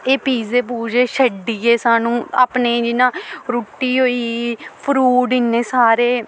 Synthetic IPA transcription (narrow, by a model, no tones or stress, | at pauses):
eːpiːzeːp̬uːd͡ʒeːʃəɖːiːeːsaːnũːaːpneːd͡ʒɪnãːɾuːʈːiːɦoːiːpʰɾuːɖɪnːeːsaːɾeː